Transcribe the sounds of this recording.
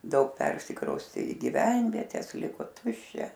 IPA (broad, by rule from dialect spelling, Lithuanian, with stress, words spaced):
dɐʊk ˈpʲɛrʲsʲɪkrɐʊsʲtʲeː ɪ ɡʲiːˈʋʲɛnʲʋʲiɛtʲɛs ˈlʲɪkoː ˈtʊʃʲt͡ʃʲɛ